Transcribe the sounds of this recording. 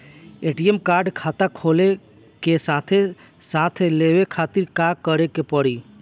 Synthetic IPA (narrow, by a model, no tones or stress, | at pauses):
eʈiemkaɾɖkʰat̪akʰole | kesat̪ʰe | sat̪ʰeleʋekʰat̪iɾkakəɾekepəɽi